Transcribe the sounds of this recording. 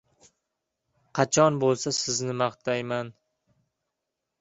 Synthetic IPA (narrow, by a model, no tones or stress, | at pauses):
qʰɑt͡ʃʰɒnbolˠsasɪznɪmɑχt̪ʰajman